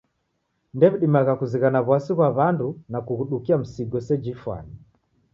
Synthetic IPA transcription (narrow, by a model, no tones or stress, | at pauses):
ndɛβiɗimaɣakuziɣanaβwasiβwaβandunakuɣuɗukiam̩siɡɔsɛd͡ʒifwa̰ni